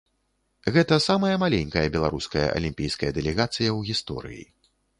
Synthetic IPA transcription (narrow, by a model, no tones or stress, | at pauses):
ɣɛt̪ɐsamɐjɐmalʲenʲkɐjɐbʲɛlˠaɾuskɐjɐ̰ʔɐ̰lʲimʲpʲijskɐjɐd̪ɛlʲɛɣat̪sɨjɐwɣʲist̪ɔ̰ɾɨ̰jḭ